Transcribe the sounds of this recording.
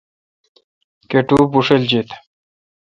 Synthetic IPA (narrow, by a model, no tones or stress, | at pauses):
keʈubuʂeld͡ʑit̪